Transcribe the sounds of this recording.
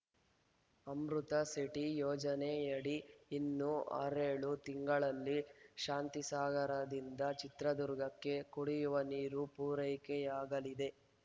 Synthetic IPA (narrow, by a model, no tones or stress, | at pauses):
ɐmɾut̪ɐsiʈijɔːd͡ʒɐnejɐɽiːnːua̰ɾeːɭut̪iŋɡɐɭɐlːiʃaːnt̪isaːɡɐɾɐd̪ind̪ɐt͡ʃit̪ɾɐd̪uɾɡɐkːe̞kuɽijuʋɐniːɾupuːɾɐjkɛjaːɡɐlid̪e̞